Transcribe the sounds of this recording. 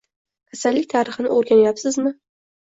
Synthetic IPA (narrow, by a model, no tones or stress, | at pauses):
kʲʰasalːɪk̚ʲt̪ʰaɾɨχɨnɪ̰ʔoɾɡʲanajapsɪzmɪ